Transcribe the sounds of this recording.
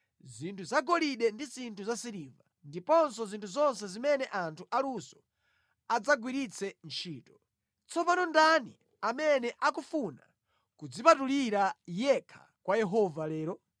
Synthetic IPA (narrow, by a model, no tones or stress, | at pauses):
zintʰuzaɡɔliɗɛndizintʰuzasiɾiva | ndipɔnsɔzintʰuzɔnsɛzimɛnɛʔantʰuʔalusɔ̥ | ad͡zaɡwiɾit͡sʰɛnt͡ʃʰiːtɔ̥ | t͡sʰɔpanɔndani | amɛnɛʔakufuna̰ | kud͡zipatuliɾajɛkʰḁ̰ | kwajɛɦɔvalɛːɾɔ